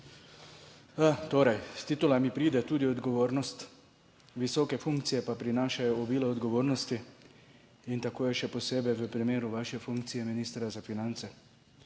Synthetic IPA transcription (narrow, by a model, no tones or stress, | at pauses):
at̪oːɾajst̪iːt̪ulamipɾiːd̪ɛt̪uːd̪iɔd̪ɡɔʋoːɾnɔst̪ | ʋisɔːkɛfuŋkt̪sijɛpapɾinaːʃajɔɔbiːlɔːd̪ɡɔʋoːɾnɔst̪i | int̪akoːjɛʃɛpɔseːbɛjʋəpɾimeːɾuʋaːʃɛfuŋkt̪sijɛminiːst̪ɾazafinant̪sɛ